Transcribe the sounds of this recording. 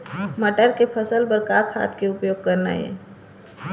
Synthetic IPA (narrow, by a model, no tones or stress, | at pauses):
məʈəɾkepʰəsəlbəɾkaːkʰa̰ːt̪ʰkeʊpjoːɡ̚kɐɾna̰ɦɛ̰ː